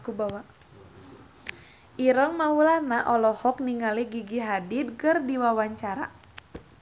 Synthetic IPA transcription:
kubawa | ʔiɾɔŋmawulanaʔɔlɔhɔk̚niŋaliɡiɡiɦadit̪̚kɨrdiwawaɲt͡ʃaɾa̰

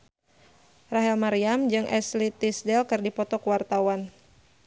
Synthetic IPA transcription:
raɦɛlmaɾiamd͡ʒɨŋʔɛslit̪isdɛlkɨrdipɔt̪ɔkwart̪awan

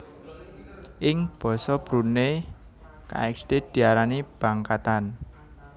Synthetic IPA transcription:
ʔɪŋb̥ɔ̤sɔb̥ɾune | ka̰ɛksd̪̥ed̪̥i̤aɾanib̥a̤ŋkat̪an

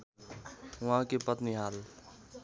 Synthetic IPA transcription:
ʊãkepət̪niɦaːl

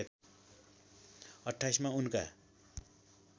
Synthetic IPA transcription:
t̪ | ʌʈʰːajsmaunka̰

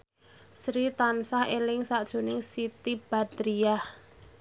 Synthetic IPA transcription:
sɾit̪ansahelɪŋsaʔd̥ʒ̥o̤nɪŋsit̪ib̥a̤d̪ɾiah

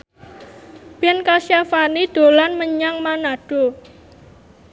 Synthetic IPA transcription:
b̥ɛnkasjafaniɖ̥o̤lanməɲaŋmanaɖ̥o

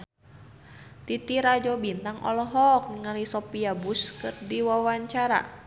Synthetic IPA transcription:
t̪it̪iɾad͡ʒɔbint̪aŋʔɔ̰lɔɦɔk̚nəŋalisɔpiabuskɨrdiwawaɲt͡ʃaɾa̰

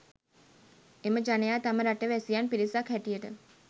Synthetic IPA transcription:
eməd͡ʒanejaːt̪aməɾaʈəʋɛsijanpiɾisakʰhɛʈijəʈə

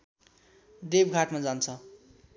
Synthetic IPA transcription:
d̪ebɡʱaʈmad͡zant͡sʰʌ

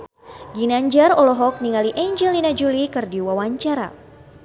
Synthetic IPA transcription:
ɡinaɲd͡ʒarɔlɔɦɔk̚niŋaliʔaɲd͡ʒɛlinad͡ʒulikɨrdiwawaɲt͡ʃaɾa̰

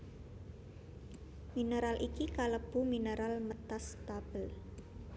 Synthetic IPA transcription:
minəɾalʔikikaləb̥uminəɾʔalmət̪ast̪ab̥əl

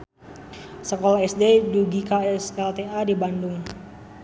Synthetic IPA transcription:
səkɔlaɛsdeduɡikaɛsɛlt̪eadibandʊŋ

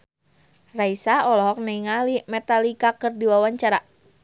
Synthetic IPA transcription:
raisaɔlɔɦɔk̚naiŋalimɛt̪alikakɨrdiwawaɲt͡ʃaɾa

